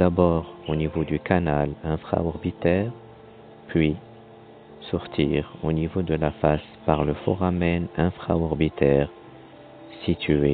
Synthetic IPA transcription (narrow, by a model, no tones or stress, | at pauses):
abɔʁonivod̪ykanalɛ̃fχa̰ɔʁbit̪ɛʁ | pʰɥi | sɔʁt̪iʁonivod̪əlafas | paʁləfɔ̰ʁamɛnɛ̃fχa̰ɔʁbit̪ɛʁ | sit̪ʰe